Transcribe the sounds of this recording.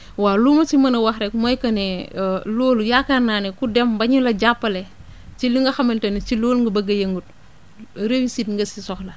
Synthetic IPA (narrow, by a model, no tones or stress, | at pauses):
walumɐsimɐnɐwɐxɾɛkmɔjkɐnɛloːlujakananɛkudɛmbɐɲulɐɟapːɐle | t͡ʃiliŋɡɐxɐmɐntɐnt͡ʃiloːlŋɡɐbɐɡɐjɐŋɡut̚ | ɾewisitŋɡɐsisɔxlɐ